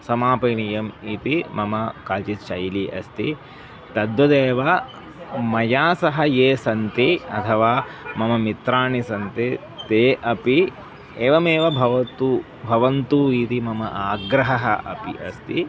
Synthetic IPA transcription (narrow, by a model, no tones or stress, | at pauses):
sɐmaːpɐjɳijɐmit̪imɐmɐkaːlt͡ʃit͡ʃɐjliʔɐ̰st̪ḭ | t̪ɐd̪ʋɐd̪eːʋɐ | mɐjaːsɐɦɐjeːsɐnt̪iɐt̪ʰɐʋaːmɐmɐmit̪ɾaːɳisɐnt̪i | t̪eːʔɐpi | eːʋɐmeːʋɐbʱɐʋɐt̪u | bʱɐʋɐnt̪uːit̪imɐmɐʔaːɡɾɐɦɐɦɐ̰ʔɐpḭʔɐst̪i